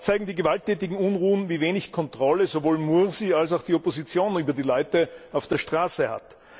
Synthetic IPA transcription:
t͡saɪɡŋ̩diːɡəvaltʰːɛːtɪɡŋ̩ʊnʁuːənviːveːnɪçkʰɔntʁ̥ɔləzovoːlmuɐzials̬aʊxd̥iopozit͡sjoːnyːbɐdiːlaʏtəaʊfd̥eːɐʃtʁ̥aːsəha̰t

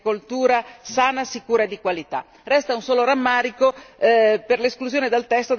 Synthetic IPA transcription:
kolt̪uːɾasaːnasikuːɾad̪ikwalit̪a̰ | rɛst̪aunsɔːloɾamːaːɾiko | perleskluzjoːned̪alt̪ɛst̪o

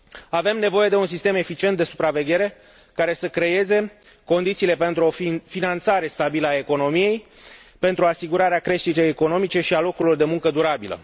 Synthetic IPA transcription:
ave̞mne̞vo̞je̞d̪e̞uns̬ist̪e̞me̞fit͡ʃiet̪d̪e̞su̥pɾave̞ɡʲje̞ɾe̞ | kaɾe̞səkɾe̞je̞ze̞ | ko̞nd̪it̪siːle̞pe̞nt̪ɾuo̞finant̪saɾe̞st̪abiləae̞ko̞no̞mije̞jpe̞nt̪ɾuasiɡuɾaɾeakɾe̞ʃt̪it̪ejeko̞no̞mit͡ʃe̞ʃialo̞kuɾilord̪e̞muŋkəd̪uɾabilə̰

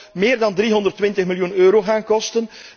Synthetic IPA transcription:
mɪːrdɑndɾiːɦɔndərtʋɪntəχmɪljunøːɾoːɣaːnkɔstən

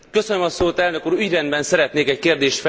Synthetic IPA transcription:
kø̞sønømɒsoːt̪ɛlnøkuːɾyɟrɛnd̪bɛnsɛɾɛt̪neːkɛckeːrd̪eːʃt̪f

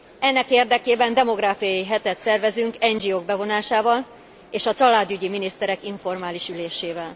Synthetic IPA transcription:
ɛnːɛkeːrd̪ɛkeːbɛnd̪ɛmo̞ɡraːfijɒjiɦɛt̪ɛt̪sɛrvɛzyŋkɛɲd͡ʒioːɡ̚bɛvo̞naːʃaːvɒl | eːʃɒt͡ʃɒlaːd̪yɟiminist̪ɛɾɛkiɱfo̞rmaːliʃyleːʃeːvɛl

